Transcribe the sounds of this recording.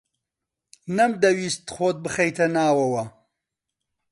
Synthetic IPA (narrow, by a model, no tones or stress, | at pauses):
nɐmd̪ɐwiːst̪χoːt̪̚bɨxɐjt̪ʰɐnaːwɐwɐ